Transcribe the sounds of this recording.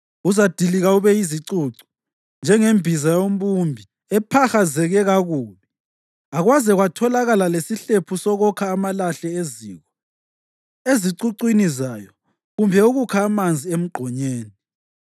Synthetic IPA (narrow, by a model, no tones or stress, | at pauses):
uzad̥ʱiliɣauβɛiziǀuǀɔ̥ | nd͡ʒʱɛŋembʱizajom̩βumbʱi | ɛpʰaxazɛɣɛɣaɣuːli | aɣwazɛɣwatʰɔlaɣalalesiɬepʰusɔɣɔkʰaːmalaɬɛezḭːɣɔ | eziǀuǀwinizajɔ | ɣumbʱɛuɣukʰaːmand͡zʱiem̩ɡ͡ǃʱɔɲeːni